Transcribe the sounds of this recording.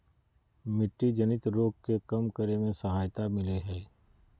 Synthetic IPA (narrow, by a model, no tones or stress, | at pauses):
mɪʈːid͡ʒɐnɪt̪ɾoːɡ̚kekɐmkəɾemẽsəɦaːjt̪amɪleɦɛː